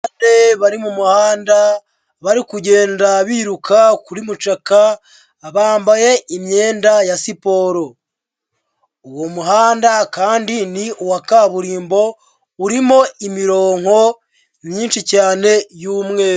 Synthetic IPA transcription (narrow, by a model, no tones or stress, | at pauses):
ate̞βaɾimumuhaːnda | βaɾikuɟe̞ːndaβiːɾukʰakuɾimut͡ʃakaː | βaːmbaje̞imɲe̞ːndajasipo̞ːɾo̞ | uwo̞muɦaːndakaːndiniuwakaβuɾiːmbo̞ | uɾimo̞imiɾo̞ːŋ̥ho̞ | miːnʃicaːne̞juːmŋe̞ɾu